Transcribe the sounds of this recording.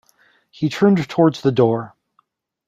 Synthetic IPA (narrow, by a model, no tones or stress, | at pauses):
hitʰɜ̃˞ndtʰɔɹdzðɨdɔɹ